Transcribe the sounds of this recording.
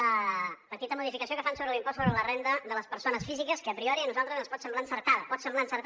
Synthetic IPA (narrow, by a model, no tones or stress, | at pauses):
əpət̪it̪əmuðifikəsiokəfansoβɾəlˠimpɔsoβɾələrend̪əðələspəɾsonəsfizikəskəːpɾiɔɾiənuzalˠt̪ɾəzənspɔt̪səmblaənsəɾt̪aðəpɔt̪səmblaənsəɾk̪